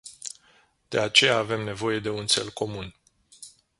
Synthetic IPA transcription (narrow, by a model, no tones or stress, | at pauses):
d̪̥e̞at͡ʃe̞jaːve̞mne̞vo̞je̞d̪e̞unt̪se̞̰lko̞mun